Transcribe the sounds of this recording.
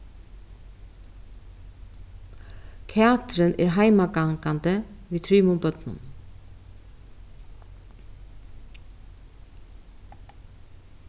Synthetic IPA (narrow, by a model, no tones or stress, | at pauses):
kʰɛɑːt̪ɾənʔæ̰ːɾɦæɪmɑɡɑŋkɑnd̪əʋiːt̪ʰɾiːmʊbœt̪nʊ̰n